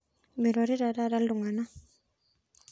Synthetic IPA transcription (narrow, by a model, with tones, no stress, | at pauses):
mi˨ɾɔ˨ɾi˦ɾa˨ɾa˦ɾa˦ldu˨ŋa˨na˦